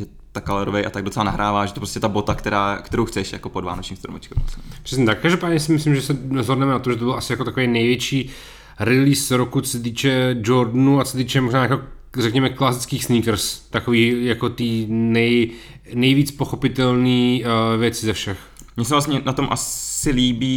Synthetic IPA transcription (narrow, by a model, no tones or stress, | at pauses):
ʒɛ | t̪akalɛɾovɛjʔat̪aɡ̚dot͡sɛlanaɦɾaːvaːʒɛt̪opɾoscɛt̪abot̪akt̪ɛɾaːkt̪ɛɾowxt͡sɛʃja̰kopodva̰ːnot͡ʃɲiːmst̪ɾo̰mɛt͡ʃkɛsppr̥ɛs̬ɲɛt̪akːaʒdopaːdɲɛsɪmɪslimʒɛsɛzɦo̞dnɛmɛnat̪oʒɛt̪obɪlasɪjakot̪akovɛjnɛjvjɛt͡ʃiː | ɾɪliːsɾokut͡sosɛt̪̬iːt͡ʃɛd͡ʒoɾdnuat͡sosɛt̪iːt͡ʃɛmo̞ʒnaːjako | rɛkɲɛmɛklasɪt͡skiːxsniːkɾ̩st̪akoviːjakot̪iːnɛj | nɛjviːt͡spo̞xo̞pɪt̪ɛlniːvjɛt͡sɪzɛfʃɛx | mɲɛsɛvlasɲɛnat̪omʔasɪliːbiː